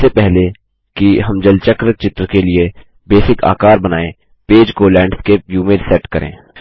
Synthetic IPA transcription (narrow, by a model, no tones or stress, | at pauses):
sepɛɦle | kiɦɐmd͡ʒɐlt͡ʃəkɾət͡ʃɪt̪ɾkelie | beːsɪkʰa̰ːkaːɾbɐnaːẽː | peːd͡ʒkolɛ̃ːɳɖskeːpjuːmẽɖsɛːʈkɐɾʔḛ̃ː